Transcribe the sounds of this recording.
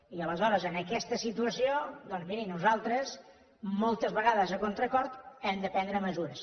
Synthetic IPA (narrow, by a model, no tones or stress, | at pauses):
iələzɔɾəzənəkɛst̪əsit̪uəsiod̪ɔnzmiɾinuzalˠt̪ɾəz | mɔlˠt̪əzβəɣaðəzəkont̪ɾəkɔɾt̪ɛmd̪əpɛnd̪ɾəməzuɾəs